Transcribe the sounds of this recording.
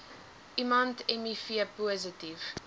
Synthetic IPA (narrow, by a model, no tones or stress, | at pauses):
ʔimɐntɛmifiəpuəzətiv̥